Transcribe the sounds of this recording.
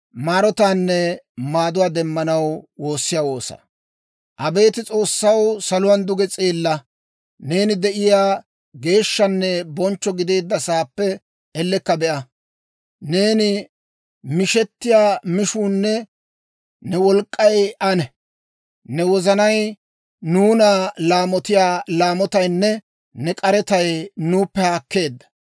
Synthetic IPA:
maːɾɔt̪aːnːɛmaːd̪ʊwaːd̪ɛmːɐnɐwwo̞ːsːɪjaːwo̞ːsɐ̰ | ʔɐbe̞ːt̪ɪt͡sʼo̞ːsːɐwsɐlʊwɐnd̪ʊɡɛt͡sʼeːlːɐ | ne̞ːnɪd̪ɛʔɪjaː | ɡe̞ːʃːɐnːɛbɔnt͡ʃːɔɡɪd̪eːd̪ːɐsaːpːɛ | ɛlːɛkːɐbɛʔɐ | ne̞ːnɪ | mɪʃɛt̪ːɪjaːmɪʃuːnːɛ | nɛwɔlkʼːɐjʔɐnɛ | nɛwɔzɐnɐj | nuːnalaːmɔt̪ɪjaːlaːmɔt̪ɐjnːɛ | nɛkʼɐɾɛt̪ɐjnuːpːɛhaːkːe̞ːd̪ːɐ̥

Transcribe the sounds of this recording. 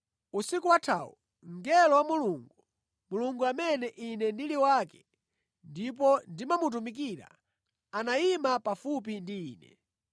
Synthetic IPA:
usikuwatʰaːwṵ | ŋɡɛlɔwamuluŋɡu | muluŋɡuamɛnɛʔinɛndiliwakɛ̥ | ndip̬ɔndimamut̬umik̬iɾa̰ | anaimapafup̬indiːnɛ̰

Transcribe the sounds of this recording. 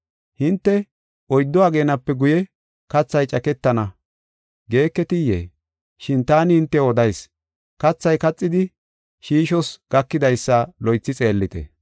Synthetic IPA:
hɪnt̪ːɛ | ɔjd̪ːɔaːɡe̞ːnɐpːɛɡʊjɛ | kɐt͡sːɐjt͡ʃʼɐkɛt̪ːɐnɐ | ɡe̞ːkːɛt̪ɪjḛː | ʃɪnt̪aːnɪhɪnt̪ːɛɔd̪ɐjs | kɐt͡sːɐjkɐt͡sʼːɪd̪ɪ | ʃiːʃɔsɡ̥ɐkːɪd̪ɐjsːɐlɔjt͡sːɪt͡sʼe̞ːlːɪt̪ɛ̰

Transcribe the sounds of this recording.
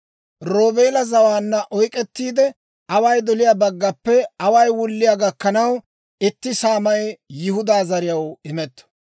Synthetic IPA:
ɾo̞ːbeːlɐzɐwaːnːɐʔɔjkʼɛt̪ːiːd̪ɛ | ɐwɐjd̪ɔlɪjaːbɐɡːɐpːɛɐwɐjwʊlːɪjaːɡɐkːɐnɐw | ɪt̪ːɪsaːmɐjjɪhʊd̪aːzɐɾɪjɐwɪmɛt̪ːɔ̥

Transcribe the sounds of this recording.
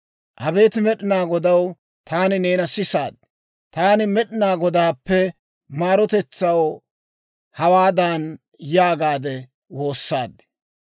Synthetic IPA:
ʔɐbe̞ːt̪ɪmɛɗɪnaːɡɔd̪ɐw | t̪ʰaːnɪneːnɐsɪsa̰ːd̪ | t̪aːnɪmɛɗɪnaːɡɔd̪aːpːɛ | maːɾɔt̪ɛt͡sːɐw | hɐwaːd̪an | jaːɡaːd̪ɛ | wo̞ːsːaːd̪ɛ̥

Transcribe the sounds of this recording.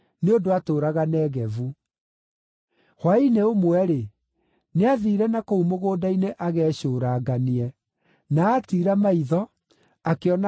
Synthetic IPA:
neodoatoːɾaɣanɛːɣɛvu | hwaineomwɛɾe | neaðiːɾɛnakoumoɣoːdaineʔaɣɛːɕoːɾaːɡaniɛ | naːtiːɾamaiðɔ | akeɔna

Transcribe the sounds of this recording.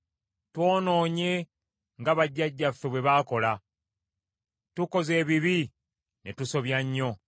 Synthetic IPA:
twoːno̞ːɲe̞ | ŋɡaβaɟːaɟːafeβwe̞βaːko̞la | tuko̞ze̞ːβiβi | ne̞tuso̞βjaɲːo̞

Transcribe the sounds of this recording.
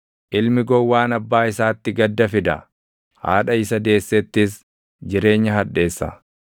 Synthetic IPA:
ʔɪlmɪɡɔwːaːnɐbːaːɪsaːt̪ːɪɡɐd̪ːɐfɪd̪ɐ̰ | ha̰ːᶑɐɪsɐd̪e̞ːsːɛt̪ːɪs | d͡ʒɪɾe̞ːɲːɐɦɐᶑːe̞ːsːɐ̰

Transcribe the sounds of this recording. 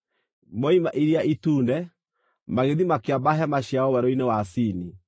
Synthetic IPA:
mɔimaʔiɾiaituːndɛ | maɣeðimakeabaɦɛmaɕjaɔwɛɾɔinewasiːni

